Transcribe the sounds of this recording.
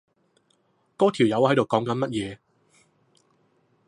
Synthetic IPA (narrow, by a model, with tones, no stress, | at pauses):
kɔː˥t̪ʰiː˨˩wjɐ˨˧whɐ˨˥jt̪o˨wkɔː˨˥ŋkɐ˨˥nmɐ˥t̚jɛː˨˧